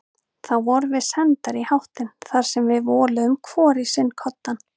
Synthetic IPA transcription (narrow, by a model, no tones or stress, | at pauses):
θawvɔɾvɪðsɛnt̪aɾihawht̪ɪnθaɾ̥sɛmvɪðvɔːlʏʏmkʰvɔːɾɪsɪnːkʰɔt̪ːan